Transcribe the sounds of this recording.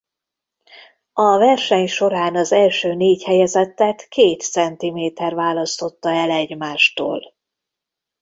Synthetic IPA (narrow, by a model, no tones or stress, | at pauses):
ɒvɛrʃɛɲʃo̞ɾaːnɒzɛlʃøːneːchɛjɛzɛt̪ːɛt̪keːt̪sɛnt̪imeːt̪ɛrvaːlɒst̪o̞t̪ːɒɛlɛɟmaːʃt̪o̰ːl